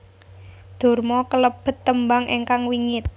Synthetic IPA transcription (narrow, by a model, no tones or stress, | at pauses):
d̪̥o̤rmɔkələb̥ə̤t̪ːəmbaŋʔeŋkaŋwiŋɪt̪̚